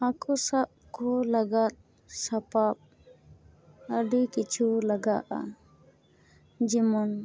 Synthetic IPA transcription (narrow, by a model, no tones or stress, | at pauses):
akɔsab̚kɔlaɡat̪̚ | sapap̚ | əɖikit͡ʃʰulaɡaʔa̰ | d͡ʒimɔn